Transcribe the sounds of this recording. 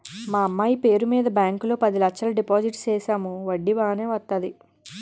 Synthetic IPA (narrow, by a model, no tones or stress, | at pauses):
maːɐmːaːjipe̞ːɾumiːd̪ɐbjaːŋkulo̞ːpɐd̪ilɐkt͡ʃʰɐlɐɖipaːd͡ʒiʈst͡ʃɛːʃaːmuʋɐɖːiʋaːne̞ːʋɐt̪ːad̪i